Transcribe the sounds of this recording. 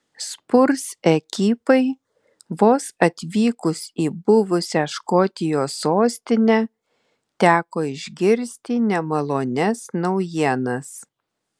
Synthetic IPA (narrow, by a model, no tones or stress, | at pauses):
spʊɾsɛkʲiːpɐɪ | ʋoːsɐt̪ʲʋʲiːkʊsiːbʊʋʊsʲɛʃkɔːt̪ʲɪjoːsoːsʲt̪ʲɪnʲɛ | t̪ʲæːkoːɪʒʲɡʲɪɾʲsʲt̪ʲinʲɛmɐlˠoːnʲɛsnɒʊjiɛnɐs